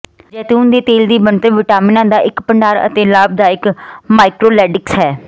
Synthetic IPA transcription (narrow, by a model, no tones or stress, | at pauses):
d͡ʒɛːt̪uːnd̪eːt̪eːld̪iːbənt̪əʋɪʈaːmɪnãːd̪aːʔɪkpəɳɖaːɾə̰t̪eːlaːb̚d̪aːɪkmaːɪkɾoːlɛːɖɪksɦɛː